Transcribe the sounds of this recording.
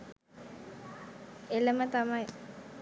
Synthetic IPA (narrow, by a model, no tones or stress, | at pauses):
eləmət̪amaj